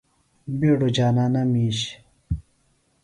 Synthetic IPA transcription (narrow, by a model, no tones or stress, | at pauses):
biɽod͡ʑaːnanɐmiːɕ